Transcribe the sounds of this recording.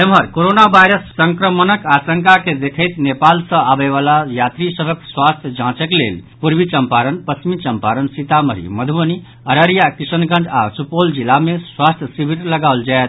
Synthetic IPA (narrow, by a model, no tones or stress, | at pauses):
emɦəɾkoɾonabʱajɾəsːəŋkɾəmənəkasəŋkaked̪ekʰəjt̪nepalsə̃abeβalajat̪ɾisəbʱəkswast̪ʰjəd͡ʒãt͡ʃəklḛlpuɾbit͡ʃəmpaɾənpət͡ʃmit͡ʃəmpaɾənsit̪amə̰ɾḭməd̪ʱbəni | əɾəɾijakisənkə̃nd͡ʒa̰supold͡ʒilːameswast̪ʰjəsibʱiʈləɡawld͡ʒaet̪ʰ